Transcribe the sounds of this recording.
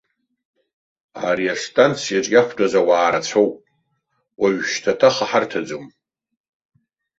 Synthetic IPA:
aɾiastʼant͡sʰijaʈ͡ʂʼɡʲakʷʰdʼazawaːɾat͡sʷʰowpʼ | waɥʃtʰatʰaχaħartʰad͡zom

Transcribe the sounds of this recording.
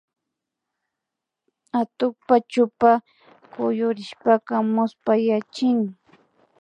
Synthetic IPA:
at̪ʊk̚pat͡ʃʊpa | kʊjʊɾɪʃpakamʊspajat͡ʃɪŋ

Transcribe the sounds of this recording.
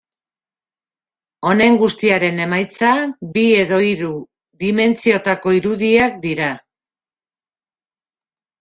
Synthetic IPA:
o̞ne̞ŋɡust̪iaɾe̞ne̞majt͡sabie̞ðo̞iɾu | ðime̞nt͡sio̞t̪ako̞iɾuðiak̚d̪iɾa

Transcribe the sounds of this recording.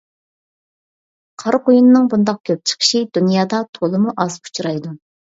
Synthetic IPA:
qʰɑɾqojunɨnɨŋbund̪ɑq̚kʲʰøp̚t͡ʃʰə̥qʰə̥ʃid̪unjɑːd̪ɑt̪ʰolˠɨmuʔɑzpʰu̥t͡ʃʰuɾɑjd̪u

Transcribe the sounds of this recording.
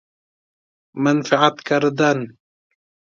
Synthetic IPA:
manfaʕat̪kaɾˤd̪an

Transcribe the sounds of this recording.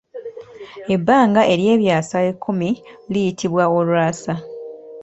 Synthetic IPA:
e̞bːaːŋɡaʔe̞ɾje̞ːβjaːsaekʰːumilijitʰiβwao̞lwaːsa

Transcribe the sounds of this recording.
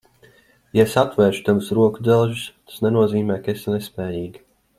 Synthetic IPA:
jasat̪vɛːʃt̪ansɾuɔkud̪ɛlˠʒust̪ḁsnɛnuɔziːmʲɛːkeslʲɛspɛːjiːɡi

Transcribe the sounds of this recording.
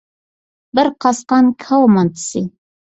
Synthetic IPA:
bɪɾqɑsqɑnkʰawmɑnt̪ʰsi

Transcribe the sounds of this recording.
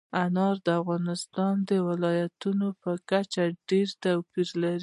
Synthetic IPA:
anɑɾd̪əafɣɑnɪst̪ɑnd̪əwɪlɑjat̪unopəkat͡ʃaɖeɾt̪awpiɾlaɾi

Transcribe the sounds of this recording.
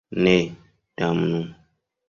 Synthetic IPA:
ne | d̥amnu

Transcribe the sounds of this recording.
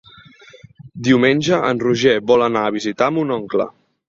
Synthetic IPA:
d̪iwmenʲʒəʔə̰nruʒɛβɔlənaəβizit̪aəmunɔŋklə̰

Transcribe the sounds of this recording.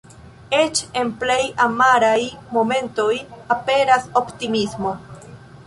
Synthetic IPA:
e̞t͡ʃe̞nple̞jamaɾajmo̞mẽ̞nto̞jape̞ɾaso̞ptimismo̞

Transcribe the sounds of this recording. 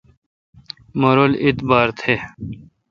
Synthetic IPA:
mɐɾolit̪baːɾt̪ʰe

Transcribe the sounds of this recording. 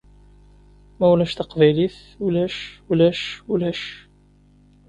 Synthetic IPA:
mæwlæʃt̪əqvæjliθ | ulæʃulæʃulæʃ

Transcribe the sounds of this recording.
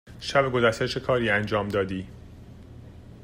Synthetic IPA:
ʃæbeɡozæʃt̪et͡ʃʰekʰɒːɾiːænd͡ʒɒːmd̪ɒːd̪iː

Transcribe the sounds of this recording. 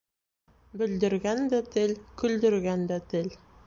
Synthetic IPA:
bɵ̆ld̪ɘ̆ɾɡænd̪æt̪ɘlkɵ̆ld̪ɘ̆ɾɡænd̪æt̪ɘl

